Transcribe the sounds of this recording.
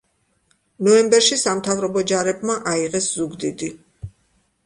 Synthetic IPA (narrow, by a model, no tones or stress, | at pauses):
nɔɛmbɛɾʃisamt̪ʰavɾɔbɔd͡ʒaɾɛbmaʔaiʁɛszuɡd̪id̪i